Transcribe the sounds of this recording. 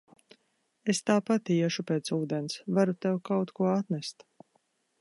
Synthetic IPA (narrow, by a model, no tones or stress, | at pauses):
est̪aːpat̪iɛʃupeːt̪suːd̪ɛnsvaɾut̪ɛwkawt̪kuɔat̪nɛst̪